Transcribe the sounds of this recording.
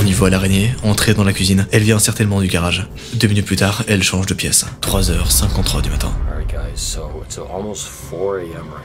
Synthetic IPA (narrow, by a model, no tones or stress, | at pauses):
onivoalaʁeɲeɑ̃t̪χed̪ɑ̃lakɥizinɛlvjɛ̃ɛ̃sɛʁt̪ɛnmɑ̃d̪yɡaʁaʒ | d̪øminyt̪plyt̪aʁɛlʃɑ̃ʒd̪əpjɛst̪χwazœʁsɛ̃kɔ̃t̪χwad̪ymat̪ʰɛ̰̃ɛɹiɡaɪz̥soʊɪtsɔlˠmoʊstfɔɹeɛ̃m